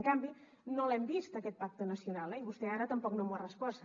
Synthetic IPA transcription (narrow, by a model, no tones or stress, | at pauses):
ŋkambi | nolɛmbist̪əkɛt̪̚pak̚t̪ənəsiunalˠɛiβust̪ɛaɾət̪əmpɔknomwarəspɔs